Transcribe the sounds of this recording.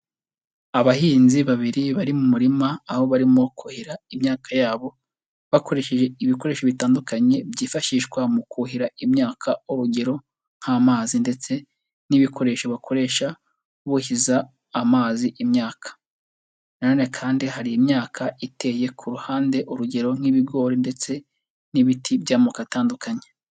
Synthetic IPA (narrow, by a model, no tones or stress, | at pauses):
aβahiːnziβaβiɾiβaɾimumuɾimaːho̞βaɾimo̞kuhiɾaimɲaːkajaːβo̞ | βako̞ɾe̞ʃe̞ʒe̞iβiko̞ɾe̞ːʃoβitaːndukaɲe̞bjiːfaʃiʃɡwamukuhiɾaimɲaːkʰauɾuɡeɾo̞ | ŋ̥hamaːzinde̞t͡se̞ | niβikʰo̞ɾe̞ːʃoβakʰo̞ɾe̞ːʃa | uβuhizaː | maːziʔimɲaːkḁ | nanoːne̞kʰaːndihaɾijimɲaːkʰaitʰe̞ːje̞kʰuɾuhaːnde̞ʔuɾuɟe̞ɾo̞n̥iβiɡo̞ːɾinde̞t͡se̞ | niβitʰibjaːmukataːndukaɲe